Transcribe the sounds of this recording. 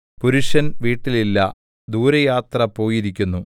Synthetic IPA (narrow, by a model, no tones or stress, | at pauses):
puɾuʂɐnʋiːʈːililːɐ̰ | d̪uːɾɐjaːt̪rɐpo̞ːjiɾikʲːunːu